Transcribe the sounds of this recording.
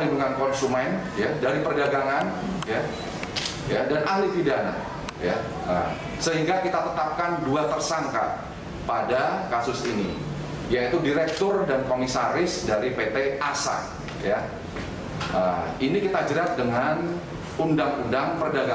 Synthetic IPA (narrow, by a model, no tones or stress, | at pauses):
liduŋankɔnsumɛn | jadaɾipərdaɡaŋanja | jadanʔahlip̪idana̰ | ja | ə | səɦiŋɡakit̪at̪ət̪ap̚kanduat̪ərsaŋka̰ | padakasʊsinḭ | jait̪udiɾɛk̚t̪ʊrdankɔmisaɾɪsdaɾipet̪easa̰ | ja | əinikit̪ad͡ʒəɾat̪̚dəŋan | undaŋundaŋpərdaɡa